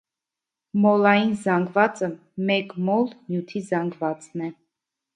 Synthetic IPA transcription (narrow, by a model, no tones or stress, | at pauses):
mɔlɑjinzɑŋɡvɑt͡sə | mɛkmɔlnjut̪ʰizɑŋɡvɑt͡snɛ